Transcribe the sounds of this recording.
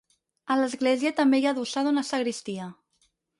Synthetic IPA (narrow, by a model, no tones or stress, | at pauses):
ələzɣleziət̪əmbejaðusaðunəsəɣɾist̪iə